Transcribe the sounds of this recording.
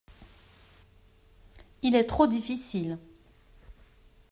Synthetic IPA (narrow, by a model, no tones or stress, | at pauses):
ilɛt̪χod̪ifisil